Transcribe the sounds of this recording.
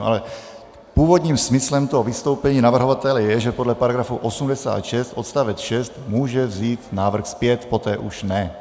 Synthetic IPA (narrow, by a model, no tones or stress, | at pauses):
ʔa̰lɛ | puːvod̪ɲiːmsmislɛmt̪oɦovist̪owpɛɲiːnavr̩ɦovat̪ɛlɛjɛʒɛpodlɛpaɾaɡɾafuʔosumdɛsa̰ːt̪ʃɛst̪ʔot̪st̪avɛt͡sʃɛst̪muːʒɛvziːt̪naːvr̩xspjɛt̪pot̪ɛːʔuʃnɛ